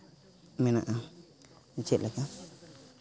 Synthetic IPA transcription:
mĩnã̰ʔã | nit͡ʃeʔlʔaka

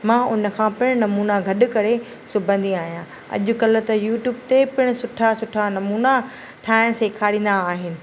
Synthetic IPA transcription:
mãːʊnə̆kʰãːpɪɽ̃ʊnɐmuːnaɡʱɐɗʊ̆kɐɾe | sʊbʱə̃nd̪iaːɦijã | ɐ̰ʄʊ̆kɐlət̪ɐjuːʈjuːbt̪epɪɽ̃ʊsʊʈʰasʊʈʰanɐmuːna | ʈʰaːɪɽ̃seːkʰaːɽĩːn̆d̪aːɦɪnɪ̆

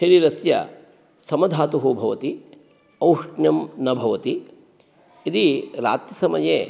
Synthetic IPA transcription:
ʃɐɾiɾɐsjɐ̰ | sɐmɐd̪ʱaːt̪uɦuːbʱɐʋɐt̪i | ɐwʂɳjɐmnɐbʱɐʋɐt̪i | id̪iɾa̰ːt̪jɐsɐmɐjeː

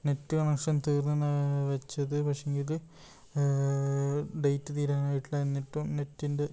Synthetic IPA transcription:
ne̞tːɨkɐɳekʂɐnt̪iːrnɐnaʋɐt͡ɕːɐðɨpɐkʂejeŋɡil | ɖejtːɨt̪iːɾaːnaːjiʈːilɐenːiʈːumne̞tːinde

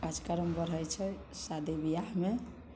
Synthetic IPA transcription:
ad͡ʒkaɾəmbəɾəjt͡ʃʰɛ | sad̪ebijaɦme

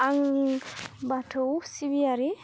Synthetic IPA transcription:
aŋ | batʰowsibiaɾi

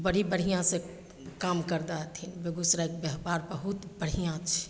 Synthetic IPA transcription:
bəɽ̤ibəɽ̤ijãse | kaːmkəɾd̪at̪ʰinbeɡʊsɾaek̚bəɦbaːɾbəɦut̪bəɽ̤ijãt͡ʃʰɛ̥

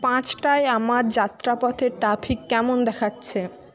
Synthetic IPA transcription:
pãt͡ɕʈaeamaɾd͡ʑat̪ːɾapɔt̪ʰeɾʈɾapʰikːɛmond̪ɛkʰatːɕʰe

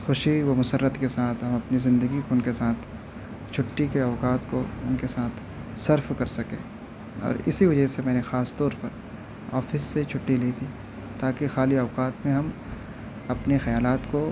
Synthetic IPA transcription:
xʊʃiʋomʊsərːət̪kesaːt̪ʰɦɐmɐpnizɪ̃nd̪əɡikoʊnkesaːt̪ʰ | t͡ʃʰʊʈːikeɐːkaːt̪koʊnkesaːt̪ʰ | sɐɾfkɐɾsɐkḛ̃ː | ɔ̰ːɾɪ̰siʋɐd͡ʒəɦsemɛ̃ːnexaːst̪ɔːɾpɐɾ | ɔ̰ːfɪsːet͡ʃʰʊʈːiliːt̪ʰiː | t̪aːkexaːliɐːkaːt̪mẽɦɐm | ɐpnexɐjaːlaːt̪ko

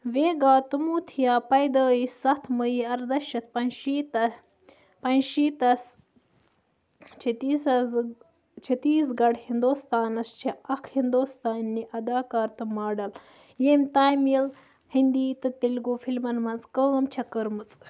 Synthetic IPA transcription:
ʋeːɡaːt̪umuːt̪ʰijaːpɐjd̪əːisɐt̪ʰməjiɐɾd̪ɐʃɐt̪̚ʰpɐnʃiːt̪ɐ | pɐnʃiːt̪ɐs | t͡ʃʰit̪isɐz | t͡ʃʰit̪iːsɡɐɽhind̪oːst̪aːnɐst͡ʃʰeɐkʰhind̪oːst̪aːnːiʔɐd̪aːkaːɾt̪ɨmaːɖɐl | jeːmt̪aːjmil | hind̪iːt̪ɨt̪ilɡuːfilmɐnmɐnzkəːmt͡ʃʰɐkəɾmɨt͡sʼ

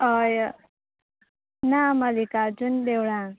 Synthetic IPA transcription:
ʌj | namʌlikad͡zund̪ewɽã

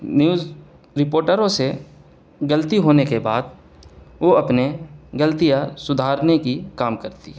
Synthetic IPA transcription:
njuːz | ɾɪpoːɾʈəɾõse | ɡəlt̪iɦoːnekebaːd̪̚ | ʋoɐpneɡəlt̪ijasʊd̪ʱaːɾnekikaːmkəɾt̪ḭ

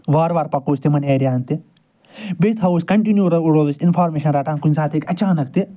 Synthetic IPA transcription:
ʋaːɾʋaːɾpɐkoːsʲt̪emɐneːɾjaːnt̪e | bet̪ɦɐusʲkɐɳʈinjuːɾɐuɽoːzusʲinfʰaːɾmeːʃɐnɾaːʈaːnkunʲsaːt̪ʰeːkɐt͡ʃaːnɐk̚t̪e

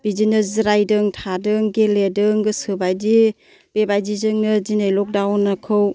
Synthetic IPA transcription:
b̥id͡ʒinɯzɾajdɯŋtʰadɯŋɡeledɯŋɡɯsɯbajdi | b̥ebajdizɯŋnɯzinajlɔk̚dawnːakʰɯw

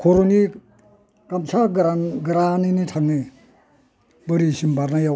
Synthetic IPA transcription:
kʰoɾoni | kamsaɡɾɡɾaninitʰaŋni | bəɾisimbaɾnajaw

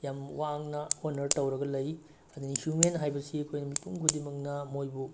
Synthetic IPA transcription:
jamwaːŋnɐhonːɐɾtɐwɾɐɡɐlɐj | ɐd̪unisumenɦajbɐsiɐkʰojnɐmipuŋɡʰudimɐk̚nɐmojbu

